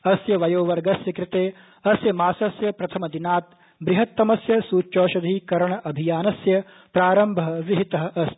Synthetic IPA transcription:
ɐsjɐʋɐjoːʋɐɾɡɐsjɐkɾɪt̪eː | ɐsjɐmaːsɐsjɐpɾɐt̪ʰɐmɐd̪inaːt̪̚ | bɾɪɦɐt̪ːɐmɐsjɐsuːt͡ʃːoːʃɐd̪ʱiːkɐɾɐɳɐʔɐbʱijaːnɐsjɐ | pɾaːɾɐmbʱɐɐʋiɦit̪ɐɦɐʔɐs

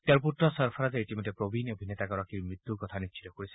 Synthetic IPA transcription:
t̪eaɾp̬utɾɔsɔɾpʰaɾad͡ʒeetimɔt̪epɾobʱinobʱinet̪akɔɾakiɾmɹit̪ːuɾkɔt̪ʰaniʃʰi̥t̪ɔkoɾisi̥

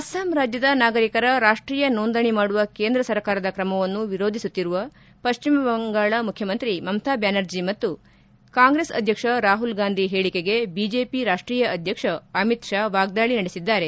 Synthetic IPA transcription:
ɐsaːmɾaːd͡ʒjɐd̪ɐnaːɡɐɾikɐɾɐɾaːʂʈɾiːjɐnoːnd̪ɐɳimaːɽuʋɐkeːnd̪ɾɐsɐɾkaːɾɐd̪ɐkɾɐmɐʋɐnːuʋiɾoːd̪ʱisut̪ːiɾuʋɐ | pɐʃt͡ʃimɐbɐŋɡaːɭɐmukʰjɐmɐnt̪ɾimɐmt̪ʰaːbjaːnɐɾd͡ʒimɐt̪ːu | kaːŋɡɾeːsɐ̰d̪ʱjɐkʂɐɾaːɦulɡaːnd̪ʱiɦeːɭike̞ɡe̞bid͡ʒeːpiɾaːʂʈɾiːjɐɐd̪ʱjɐkʂɐɐmit̪ʃaːʋaːɡ̚d̪aːɭinɐɽesid̪ːaːɾe̞

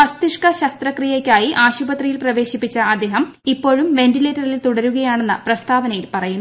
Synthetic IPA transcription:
pɐst̪iʂkɐɕɐst̪rɐkrijekʲːaːjiʔaːɕubɐt̪rijilprɐʋe̞ːɕipːit͡ɕːɐʔɐd̪ːeːɦɐm | ipːo̞ːɻumʋe̞ndile̞ːtːɐrililt̪uɽɐɾuɣɐjaːɳe̞nːɨprɐst̪ʰaːʋɐnɐjilpɐrɐjunː

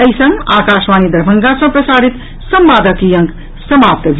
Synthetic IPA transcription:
əjsʌ̃ŋɡaːkaʃmanid̪ɐɾbʱəŋɡasʌ̃pɾəsaɾit̪ | sʌmbaːd̪əkijʌŋk | səmap̚t̪d͡ʒ

